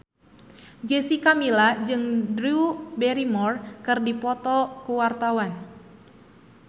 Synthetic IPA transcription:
d͡ʒesikamilad͡ʒɨŋdɾiubɛɾimɔrkɨrdipɔt̪ɔkuwart̪awan

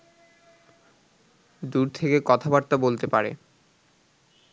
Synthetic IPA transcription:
d̪uɾt̪ʰekekɔt̪ʰabaɾt̪abolt̪epaɾḛ

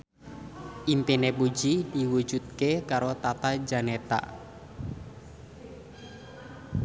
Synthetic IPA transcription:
ʔimpinepu̥d͡ʒid̥iwu̥d͡ʒud̪̚kekaɾot̪at̪ad͡ʒanet̪a̰

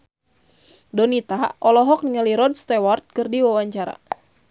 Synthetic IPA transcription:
dɔnit̪aʔɔlɔɦɔk̚niŋaliɾɔdst̪ɛwart̪̚kɨrdiwawaɲt͡ʃaɾa̰

